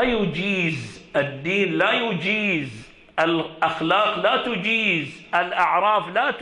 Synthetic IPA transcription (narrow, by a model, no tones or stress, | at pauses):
ajʊd͡ʒiːzɪd̪ːiːnlajʊd͡ʒiːz | ʔɪlʔaxlaːqlat̪ʊd͡ʒiːzʔɪlʔaʕɾˤɑːflaːt̪